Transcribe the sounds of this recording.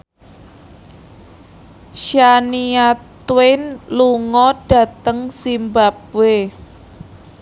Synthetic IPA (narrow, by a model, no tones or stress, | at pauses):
ʃaniat̪wɪnluŋɔɖ̥a̤t̪əŋsimbap̚we